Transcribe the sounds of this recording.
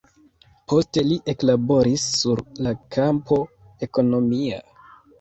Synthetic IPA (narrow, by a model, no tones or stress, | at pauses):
pʰo̞ste̞liʔe̞klabo̞ɾisːuɾlakʰampo̞ | e̞ko̞no̞mia̰